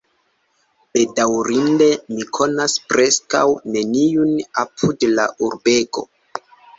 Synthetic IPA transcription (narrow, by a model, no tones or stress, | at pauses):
b̥e̞dawɾinde̞mikʰo̞naspɾe̞ska̰wne̞niunapʰudla̰ʔuɾbe̞ko̞̰